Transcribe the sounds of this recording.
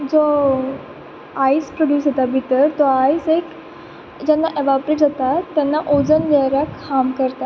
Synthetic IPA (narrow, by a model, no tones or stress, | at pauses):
d͡zo | ajspɾoɖjuːsɦet̪abʱit̪əɾt̪ɔajsek | d͡ʑɛnːaʔeʋapɾeʈd͡zat̪at̪ːjanːaʔod͡zənleɾjakhamkəɾt̪a